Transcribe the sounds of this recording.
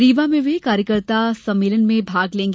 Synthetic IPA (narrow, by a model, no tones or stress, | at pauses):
ɾiːʋamẽʋekaːɾjəkəɾt̪asɐ̃mːeːlənmẽbʱaːɡlẽːŋɡ